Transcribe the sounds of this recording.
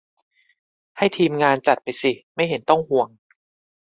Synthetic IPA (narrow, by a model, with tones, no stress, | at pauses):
ha˥˩jt̪ʰiː˧mŋaː˧nt͡ɕa˨˩t̪̚pa˧jsi˨˩ma˥˩jɦe˩˦nt̪ɔ˥˩ŋhu˨˩əŋ